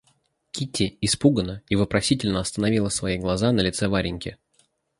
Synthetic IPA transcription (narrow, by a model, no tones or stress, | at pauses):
kʲitʲːɪɪspuɡənəɪvopɾɐsʲitʲɪlʲnəɐst̪ənɐvʲilˠəsvɐiɡlˠɐzanəlʲɪt̪sɛvaɾʲɪnʲkʲɪ